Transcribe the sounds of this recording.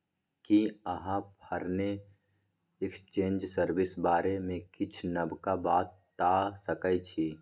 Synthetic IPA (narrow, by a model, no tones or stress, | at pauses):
kiəɦãpʰəɾne | ɪkst͡ʃẽːnd͡ʒsəɾbɪsbaːɾemẽkɪt͡ʃʰnəbkabaːt̪ː | aːsəkəit͡ʃʰi